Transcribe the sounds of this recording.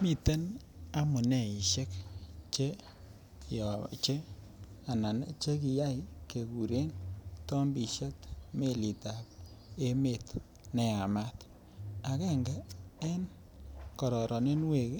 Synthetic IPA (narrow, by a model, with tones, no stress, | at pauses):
mi˨te˦na˦mʊ˨nɛ˦˨i˨ʃe˦kt͡ʃe˦ | jɔ˨t͡ʃe˦ | a˨na˨nt͡ʃe˦ki˨ja˦jke˨ku˨ɾe˦ntɔ˦mbi˨ʃe˦tme˦li˨ta˨p̚ | e˦me˨t | nɛ˨a˨ma˦t | a˨kɛ˦ŋɡa˨e˦n | kɔ˨ɾɔ˨ɾɔ˨ne˦nwe˨k